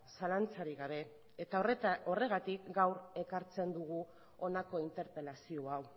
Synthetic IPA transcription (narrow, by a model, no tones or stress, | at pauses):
salant͡saɾiɣaβ̞e̞ | et̪aoo̞re̞ɣ̞at̪ikɡawɾe̞kaɾt͡se̞nd̪uɣ̞u | o̞nako̞int̪e̞ɾpe̞lasio̞aw